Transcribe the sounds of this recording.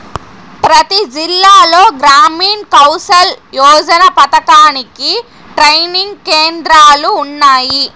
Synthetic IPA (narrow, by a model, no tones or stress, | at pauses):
pɾɐt̪id͡ʒilːaːlo̞ːɡɾaːmiːnkɐwsɐljɔːd͡ʒɐnɐpɐt̪ɐkaːniki | ʈɾɐjniŋɡkeːnd̪ɾaːluːnːaːji